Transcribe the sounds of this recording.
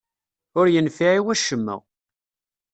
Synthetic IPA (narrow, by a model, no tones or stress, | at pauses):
ʊɾjənfiʕiwæʃəmːə̰